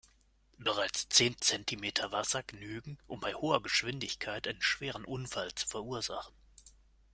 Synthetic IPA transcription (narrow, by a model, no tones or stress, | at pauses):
b̥əʁaɪt͡st͡seːnt͡sɛntʰimeːtʰɐvasɐɡənyːɡŋ̩ʔʊmbaɪhoːɐɡəʃv̥ɪndɪçkʰaɪtʔaɪnənʃv̥eːʁən̩ʔʊnfalt͡su̥fɛɐʔuːɐzaχn̩